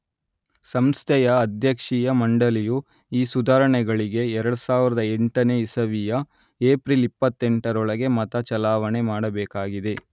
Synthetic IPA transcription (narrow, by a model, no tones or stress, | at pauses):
sɐmst̪ʰɛjɐːd̪ʱjɐkʂijɐmɐɳɖɐliju | iːsud̪aːɾɐɳɛɡɐɭiɡe̞ɛɾɐɽusaːʋiɾɐd̪ɐeɳʈɐne̞ːisɐʋijɐ | eːpɾilipːɐt̪ːeɳʈɐɾɔɭɐɡe̞mɐt̪ɐt͡ʃɐlaːʋɐnemaːɽɐbɛːkaːɡid̪e̞